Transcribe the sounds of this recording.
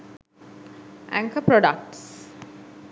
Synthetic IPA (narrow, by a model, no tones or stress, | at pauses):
ʔæ̰̃ŋkʰəpɾɔɖək̚ʈs